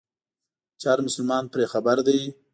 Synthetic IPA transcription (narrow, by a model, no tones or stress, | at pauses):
t͡ʃɑɾmʊsʊlmɑnpɾexabaɾd̪aj